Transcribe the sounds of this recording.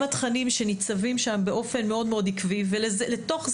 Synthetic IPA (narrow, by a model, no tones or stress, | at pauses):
mat̪χanimʃe̞nit͡savimʃambe̞ʔo̞fe̞nme̞o̞d̪meo̞d̪ikvivelezleto̞χz